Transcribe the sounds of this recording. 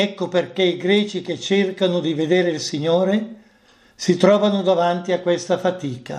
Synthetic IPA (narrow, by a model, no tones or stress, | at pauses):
ɛkːoperkeiɡɾɛːt͡ʃik̟et͡ʃːerkanod̪ived̪eːɾeilsiɲːoːɾe | sit̪ɾɔːvanod̪avant̪iakːwest̪afat̪iːka̰